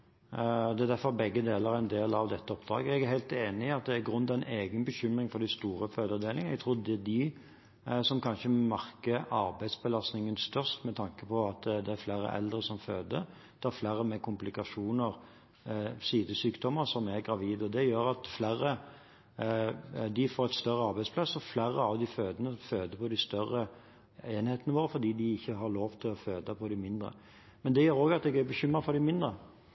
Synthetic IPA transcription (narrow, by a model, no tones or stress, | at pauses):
ɔd̪ɛæd̪æfɔɾbɛɡːəd̪eːləɾæɪnd̪eːlɑʋd̪ɛt̪ːəɔp̚d̪ɾɑ̰ːɡəɛɡæɦæɪlt̪eːnɪɑt̪̚d̪ɛːɾɡɾʉnːt̪ʰɑɪnʔeːɡənbəɕʏmʁɪŋfɔɾd̪æɪst̪uːɾəføːd̪əd̪eːlɪŋənɛɡt̪ʰʁʊːd̪əd̪ɪ | sɔmkʰɑnʃəmɑʁkəɑɾbæɪd̪sbəlɑst̪nɪŋənst̪œʂt̪mɛt̪ʰɑŋkəpʰɔɑt̪d̪ɛːɾflæːɾə̰ʔɛ̰ld̪ɾəsɔmføːd̪ə | d̪̥ɛæɾflæːɾəmɛkʰʊmplɪkɑʂuːnəɾ | siːd̪əsyːkd̪ɔməɾsɔmæɾɡɾɑʋiːd̪ɔd̪ɛjøːɾɑt̪flæɾə | d̪ɪfoːɾɛt̪st̪œɾəɑɾbæɪspʰlɑsːɔflæːɾəɑʋd̪ɪføːd̪ənəføːd̪əpʰɔd̪ɪst̪œɾə | eːnheːt̪ənəʋoːɾəfɔd̪iːd̪ɪɪçːəɦɑɾloːʋt̪ʰɪlɔføːd̪əpʰɔd̪ɪmɪnd̪ɾə̰ | mɛnd̪ɛjøːɾoːɡɑt̪̚d̪ɛɡæɾbəçʏməfɔɾd̪ɪmɪnd̪ɾə